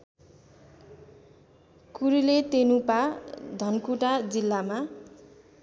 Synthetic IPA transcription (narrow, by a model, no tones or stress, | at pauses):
kuɾilet̪enupad̪ʱʌnkuʈad͡zilːama